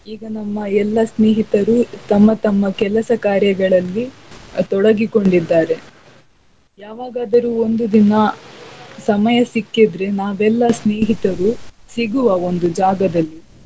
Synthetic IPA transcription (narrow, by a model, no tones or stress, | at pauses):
iːɡɐnɐmːɐɛlːɐsneːɦit̪ɐɾut̪ɐmːɐt̪ɐmːɐkɛlɐsɐkaːɾjɐɡɐɭɐlːit̪ɔɽɐɡiko̞ɳɖid̪ːaːɾe̞ | jaːʋaːɡaːd̪ɐɾuːo̞nd̪ud̪inɐ | sɐmɐjɐsikːid̪ɾe̞naːʋɛlːɐsneːɦit̪ɐɾusiɡuʋɐo̞nd̪ud͡ʒaːɡɐd̪ɐlːi